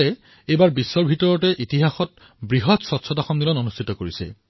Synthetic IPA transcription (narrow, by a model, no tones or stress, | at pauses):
ɛ | ejbaɹbisːɔɹbʱitɔɹɔtɛʔitiɦaxɔt̚ | bɹiɦɔtsɔtsʰɔtaxɔmdilɔnonustʰitɔkoɹisɛ̰